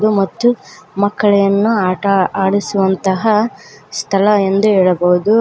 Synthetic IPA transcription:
d̪umɐt̪ːumɐkːɐɭɛjɐnːuaːʈɐaːɽisuʋɐnt̪ɐɦɐst̪ʰɐlɐend̪uɦɛːɭɐbɐɦud̪u

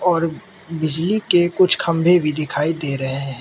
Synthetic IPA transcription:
ɔːɾ | bɪd͡ʒlikekʊt͡ʃʰkʰɐ̃mbʱebʱid̪ɪkʰaːid̪eːɾɐɦeɦɛ̃

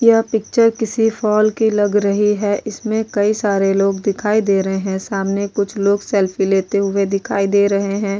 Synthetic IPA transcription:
japɪk̚t͡ʃəɾkɪsifʰɔːlkilɐɡɾɐɦiɦɛʔɪsmẽkɐisaːɾeloːɡd̪ɪkʰaːid̪eːɾɐɦeɦɛ̃saːmnekʊt͡ʃʰloːɡsɛːlfʰileːt̪eɦʊed̪ɪkʰaːid̪eːɾɐɦeɦɛ̃ː

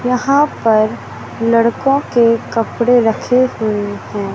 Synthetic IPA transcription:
jɐɦãpɐɾ | lɐɽkõkekɐpɽeɾɐkʰehʊehɛ̃ː

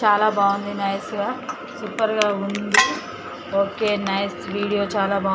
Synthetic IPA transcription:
t͡ʃaːlabaːʊnd̪inajska | supəɾɡaɦʊnd̪i | oːkenajsʋiːɽijot͡ʃaːlaba

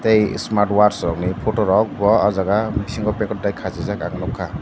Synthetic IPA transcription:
tejsmaɾʈwaɾsɔɾɔŋnipʰotɔɾɔk̚bɔazaɡabisiŋkɔpekɔt̚dajkʰazizaka̰ŋnɔkʰːa

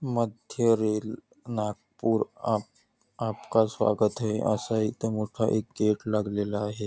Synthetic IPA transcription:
məd̪ʱjəɾeːl | nak̚puːɾa | apkasʋa̰ɡət̪ɦeʔə̰sait̪əmoʈʰaʔek̚ɡeʈlaɡlelaːɦe

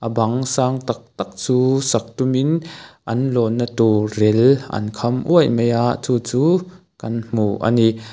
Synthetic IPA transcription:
ʔəbɐŋsaːŋt̪ak̚t̪ak̚t͡suːsɐk̚t̪uminʔɐnlɔnːat̪urɛlʔɐ̰nkʰɐmʔuəjmejʔaʔt͡suːt͡suː | kɐnm̥uʔa̰ni

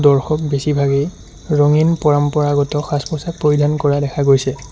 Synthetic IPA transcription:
dɔɹxɔk̚besibʱaɡej | ɹɔŋinpɔɹampɔɹaɡɔtɔxaspɔsak̚pɹoɹidʱankɔɹadɛkʰaɡojsɛ

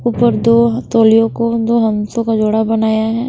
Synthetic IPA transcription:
uːpəɾd̪oːt̪oːlijõkod̪oːɦɐmsõkad͡ʒoːɽabɐnaːjaɦɛː

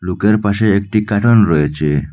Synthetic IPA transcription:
lokeɾpaʃeːk̚ʈikaʈʰɔnɾɔet͡ɕʰe

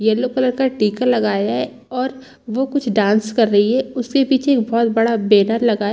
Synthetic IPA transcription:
jɛlokələɾkaʈiːkəlɐɡaːjaɦɛ | ɔːɾ | ʋokʊt͡ʃʰɖãːnskɐɾːɐɦiɦɛʊskepiːt͡ʃʰeːk̚bɔːt̪bɐɽabeːnəɾlɐɡaː

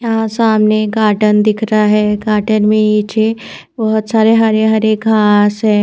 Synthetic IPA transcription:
jɦãsaːmneɡaːʈənd̪ɪkʰɾaɦɛːɡaːʈənmẽit͡ʃʰe | bɐɦʊt̪saːɾeɦɐɾeɦɐɾekɡʱaːsɦɛː

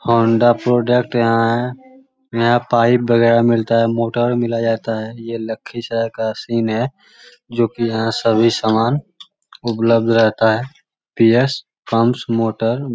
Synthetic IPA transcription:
hõːɳɖapɾoːɖək̚ʈjɐɦãɦɛ | jɐɦãpaːɪp̚bəɣɛːɾamɪlt̪aɦɛmoːʈəɾmɪlad͡ʒaːt̪aɦɛjelɐkʰːisəkasiːnɦɛ | d͡ʒoːkijɐɦãsəbʱisaːmaːn | ʊpləb̚d̪ʱɾɛɦt̪aɦɛ | piːes | pəmsmoːʈəɾ

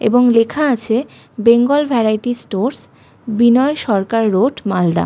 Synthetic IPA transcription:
ḛboŋlekʰaat͡ɕʰe | beŋɡolbʱɛɾajʈisʈoɾs | binɔeʃɔɾkaɾːoɖmald̪a̰

